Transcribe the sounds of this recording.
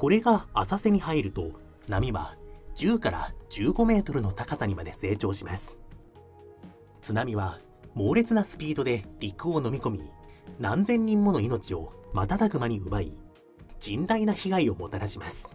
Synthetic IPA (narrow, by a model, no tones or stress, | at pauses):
ko̞ɾe̞ɡaːsase̞ɲ̟ihaiɾɯ̟t̪o̞ | namʲiβad͡ʑ̥ɨːkaɾa̰d͡ʑɨːɡo̞me̞ːt̪o̞ɾɯ̟no̞t̪akasaɲ̟imad̪e̞se̞ːt͡ɕo̞ːɕimasɨ̥ | t͡sɨnamʲiβa | mo̞ːɾe̞t͡sɨnasɨ̥pʲiid̪o̞d̪e̞ɾʲikɯ̟o̞no̞mʲiko̞mʲinãnd͡zẽ̞ɲ̟ːĩmːo̞no̞ino̞t͡ɕio̞mat̪at̪aɡɯ̟maɲ̟iɯ̟bai | d͡ʑĩnd̪ainaçiɡaio̞mo̞t̪aɾaɕimasɨ̥